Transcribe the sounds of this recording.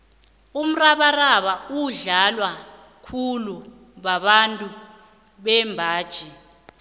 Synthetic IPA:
um̩raɓaraɓauɮalwa | kʰulu | ɓaɓantʼu | ɓɛmbʱaːd̥ʒ̥ʱi

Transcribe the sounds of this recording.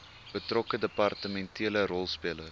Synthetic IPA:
b̥ətrɔkədəpɑrtəmɛntʰiələɾɔlˠspiələ

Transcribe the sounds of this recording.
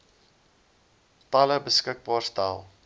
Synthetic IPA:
tɐləbəskək̚bɑːrstalˠ

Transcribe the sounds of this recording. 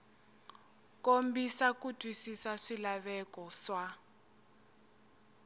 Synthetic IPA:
kombisakutʰʼwisisaʂilaβɛkɔʂa

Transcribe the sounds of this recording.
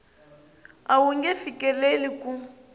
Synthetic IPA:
awuŋɡɛfikʼɛleliku

